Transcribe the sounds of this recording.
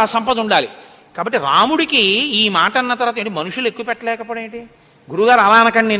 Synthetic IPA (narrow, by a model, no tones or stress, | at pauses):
ɐsɐmpɐd̪uɳɖaːlḭ | kaːbɐʈːiɾaːmuɽikiiːmaːʈɐnːɐt̪ɐɾɐaːt̪ɐːɳʈimɐnuʂule̞kːuːpɛʈːɐlɛːkɐpɔːɽeːɳʈi | ɡuɾuɡaːɾɐlaːnɐkɐɳːi